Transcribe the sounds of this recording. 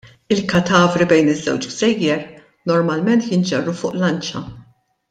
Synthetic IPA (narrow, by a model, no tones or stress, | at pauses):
ɪlkɐt̪ɐːvɾibɛjnɪzːɛ̰wt͡ʃɡz̥ɛjːɛɾ | nɔɾmɐlmɛnt̪jɪnd͡ʒɛrːufʊːʔlɐnt͡ʃɐ̰